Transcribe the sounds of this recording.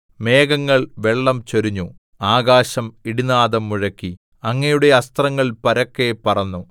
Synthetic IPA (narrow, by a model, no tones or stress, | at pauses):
me̞ːɡɐŋːɐɭʋe̞ɭːɐmt͡ɕoɾuɲːu | aːɡaːɕɐmiɽinaːðɐmːuɻɐkːi | ɐŋːɐjuɽe̞ɐst̪rɐŋːɐɭpɐɾɐkːepɐrɐnːu